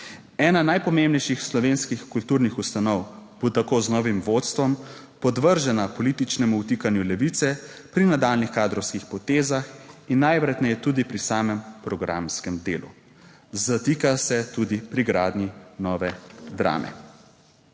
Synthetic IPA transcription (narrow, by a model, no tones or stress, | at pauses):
ɛːnanajpɔmembnɛjʃixslɔʋeːnskixkult̪uɾnixust̪anɔwb̥ut̪akoːznɔːʋimʋot̪st̪ʋɔm | pɔd̪ʋəɾʒɛnapɔlit̪it͡ʃnɛmuut̪ikanjulɛʋit̪sɛpɾinad̪aːlnixkaːd̪ɾɔwskixpɔt̪eːzaxinːajʋɾɛt̪nɛjɛt̪uːd̪ipɾisaːmɛmpɾɔɡɾa̰mskɛmd̪ḛːlṵ | zat̪ikasɛt̪ud̪ipɾiɡɾaːd̪ninɔːʋɛd̪ɾa̰ːmʔɛ̰